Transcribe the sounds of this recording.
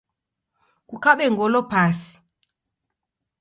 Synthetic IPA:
kukaɓɛŋɡɔlɔpasi̥

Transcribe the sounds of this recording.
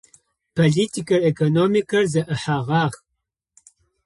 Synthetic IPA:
pʰoɮiːtʰikʰɐrekʰonoːmikʰɐrzɐʔɨħaːʁɑːʁ

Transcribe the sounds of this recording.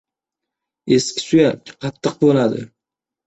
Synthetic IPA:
eskʲɪ̥sujaqʰɑt̪ʰːɨq̚bolˠad̪ɪ̰

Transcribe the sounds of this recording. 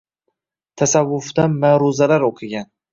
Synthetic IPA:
t̪ʰasavːʊfd̪anmaɾʊzalaɾoqʰɨɡʲan

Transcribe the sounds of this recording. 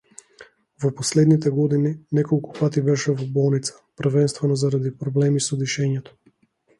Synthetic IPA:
vɔpɔslɛd̪nit̪ɛɡɔd̪ininɛkɔlˠku̥pat̪ibɛʃɛvɔbɔlˠnit̪sḁpr̩vɛnst̪vɛnɔzaɾad̪ipɾɔblɛmisɔd̪iʃɛɲɛt̪ɔ̥

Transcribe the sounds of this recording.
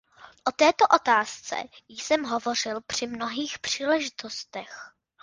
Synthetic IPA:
ʔo̞t̪ɛːt̪o̞ʔo̞t̪aːst͡sɛ̰jɪsɛmɦo̞vo̞r̝ɪlpr̝̥ɪmno̞ɦiːxpr̥iːlɛʒɪt̪ost̪ɛx

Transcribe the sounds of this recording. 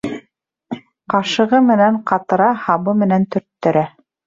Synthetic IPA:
qɑʃɤ̆ʁɤmɘ̆næɴqɑt̪ɤ̆ɾɑhɑβɤmɘ̆nænt̪ɵ̆ɾt̪ːɵ̆ɾæ

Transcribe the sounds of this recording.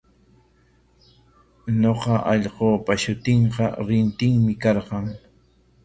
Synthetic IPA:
ɲoqɑʔɑʎqoːpaʃʊt̪ɪɴqɑ̰ɾɪnt̪ɪŋmɪkɑɾqɑŋ

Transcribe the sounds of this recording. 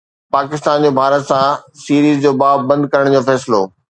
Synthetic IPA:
paːkɪst̪aːnd͡ʑoːbʱaːɾət̪sãsiːɾiːzd͡ʑoːbaːbɐ̃nd̪̚kɐɾəɽ̃d͡ʑoːfɛːslo̰ː

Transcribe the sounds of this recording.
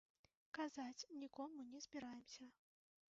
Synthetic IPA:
kazat͡sʲnʲikɔmunʲɛzʲbʲiɾajɛmsʲɐ

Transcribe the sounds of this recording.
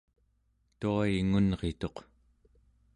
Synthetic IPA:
t̪uaiŋunʁet̪o̞q

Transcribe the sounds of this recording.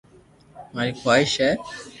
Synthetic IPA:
maɾikʰajʃɛ

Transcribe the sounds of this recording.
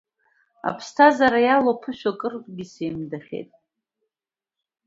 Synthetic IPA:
a̰pʰstʰazaɾajalopʰɨʃʷᶣakʼɨrpʼɡʲisejmdaχʲḛjtʼ

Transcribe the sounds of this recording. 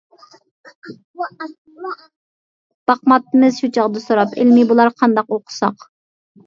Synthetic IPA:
b̥ɑqmɑt̪ːɨmɨzʃut͡ʃʰɑʁd̪ɨsoɾɑpʰɪ̰lmɪbulˠɑɾqʰɑnd̪ɑqoqʰʊ̥sɑq

